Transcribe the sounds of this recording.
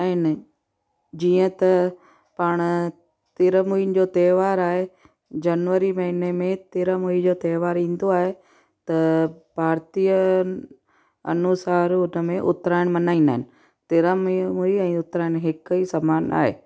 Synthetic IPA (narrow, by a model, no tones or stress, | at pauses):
aːɦɪnɪ | d͡ʑiːə̃t̪ɐ | pɐɽ̃ | t̪ɪɾəmuinɪ̆d͡ʑoːt̪ɛːʋaːɾaːɦe | d͡ʑɐnʋəɾimɐɦinemẽt̪ɪɾəmuid͡ʑoːt̪ɛːʋaːɾĩːn̆d̪oaːɦe | t̪ɐbʱaːɾt̪ijə | ɐ̰nʊsaːɾʊnəmẽʔʊt̪ɾaːɪɽ̃mɐnaːĩnd̪aːɦɪnɪ̆ | t̪ɪɾəmmuiɛ̃ːʊt̪ɾaːɪñɦɪkɦismaːna̰ːɦḛː